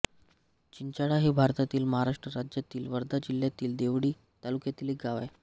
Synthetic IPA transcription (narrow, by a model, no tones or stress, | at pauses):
t͡ɕiɲt͡ɕaɽaɦiːbʱaɾt̪at̪iːlməɦaɾaʂʈɾəɾad͡ʑjat̪iːlʋəɾd̪ad͡ʑiljat̪iːld̪eʋɽiː | t̪alukjat̪iːlekɡaʋa̰j